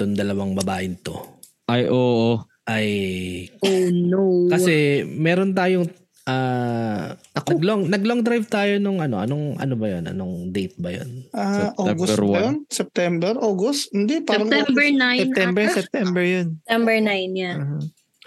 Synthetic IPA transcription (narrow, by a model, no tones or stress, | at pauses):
t̪ond̪ɐlɐwaŋbɐbaːʔɪnt̪o̞ | ʔɐjʔoːʔo | ʔɐj | onokɐsɛmɛːɾont̪aːjoŋ | ʔaː | nɐkɡloŋnɐɡ̚loŋd̪ɾajvt̪aːjo̞nʊŋɐno̞̰ʔɐ̰noŋʔɐ̰nobɐjonʔɐ̰noŋd̪ejt̪̚bɐjo̰nʔaʔoɡosjonsɛp̚t̪ɛmbɛɾʔoːɡost̪hɪnd̪ipaɾɐŋɛmbnajsɛt̪ɛmbɛsɛp̚t̪ɛmbɛɹjonnɐmbɛɹnajnaha